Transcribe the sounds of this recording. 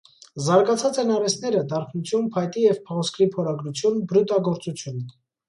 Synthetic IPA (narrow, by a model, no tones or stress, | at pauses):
zɑɾɡɑt͡sʰɑt͡sɛnɑɾɛsnɛɾəd̪ɑɾχʰnut͡sʰjunpʰɑjt̪ijɛvpʰɔʁɔskɾipʰɔɾɑɡɾut͡sʰjunbɾut̪ɑɡɔɾt͡sut͡sʰjunə